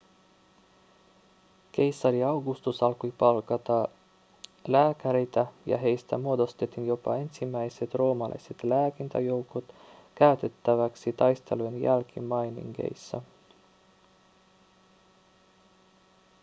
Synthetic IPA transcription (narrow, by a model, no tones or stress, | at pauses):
k̟e̞jsːɑɾiɑwɡust̪usɑlkujpɑlkɑt̪ɑ | læːkæɾejt̪æjɑ̰ɦe̞jst̪æmuo̞d̪o̞st̪e̞t̪injo̞pɑ̰e̞nsimːæjse̞t̪ro̞ːmɑlɑ̰jset̪læːkint̪æjo̞wkot̪kæyɥt̪e̞t̪ːæʋæksit̪ɑjst̪e̞luenjælkimmɑjnḭŋɡḛjsːæ̰